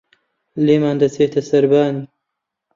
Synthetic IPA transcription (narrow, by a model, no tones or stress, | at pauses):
lemaːnd̪ɐseːt̪ɐsɐɾbaːni